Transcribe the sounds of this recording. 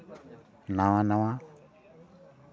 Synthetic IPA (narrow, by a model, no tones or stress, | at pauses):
nãwãnãwã